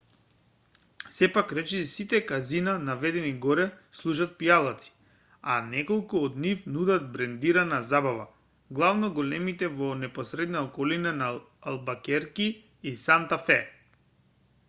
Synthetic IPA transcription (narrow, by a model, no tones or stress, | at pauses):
sɛpakɾɛt͡ʃɛsit̪ɛkazinanavɛd̪ɛniɡɔɾɛ | slˠuʃat̪̚pijalˠat̪si̥ | a̰nɛkɔlˠkuɔd̪nifnud̪at̪̚bɾɛnd̪iɾanazabava | ɡlˠavnɔɡɔlɛmit̪ɛvɔnɛpɔsɾɛd̪naɔkɔlinanaː | lˠbakɛɾki | isant̪afɛ